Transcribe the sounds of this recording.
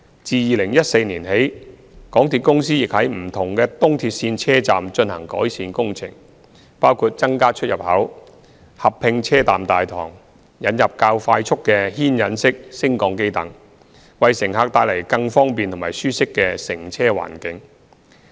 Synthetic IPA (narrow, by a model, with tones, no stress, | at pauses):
t͡siː˧jiː˨˧lɪ˨˩ŋjɐ˥t̚se˧jniː˨˩nɦe˨˥j | kɔː˨˥ŋt̪ʰiː˨t̚kʊ˥ŋs̬iː˥jɪ˨k̚hɐ˨˥jm̩˨˩t̪ʰʊ˨˩ŋkɛː˧t̪ʊ˥ŋt̪ʰiː˧t̚siː˧nt͡sʰɛː˥t͡saː˨mt͡ʃɵ˧nhɐ̰˨˩ŋkɔ̰ː˨˥jsiː˧nkʊ˥ŋt͡sʰɪ̰˨˩ŋ | paː˥wkʰuː˧t̚t͡sɐ˥ŋkaː˥t͡ʃʰɵ˥jɐ˨p̚hɐ˨˥w | hɐ˨pʰːɪ˧ŋt͡sʰɛː˥t̪a̰ː˨mt̪aː˨jt̪ʰɔ̰ː˨˩ŋ | jɐ˨˥njɐ˨p̚kaː˧wfaː˧jt͡ʃʰʊ˥kːɛː˧ɦiː˥njɐ˨˥nsɪ˥k̚sɪ˥ŋkɔː˧ŋke˥jt̪ɐ˨ŋ | wɐ˨jsɪ˨˩ŋɦaː˨˧k̚t̪aː˧jlɐ˨˩jkɐ˧ŋfɔː˥ŋpiː˨nt̪ʰʊ˨˩maː˨˩jsyː˥sɪ˥kːɛ˧sɪ˨˩ŋt͡sʰɛː˥wa̰ː˨˩nkɪ˨˥ŋ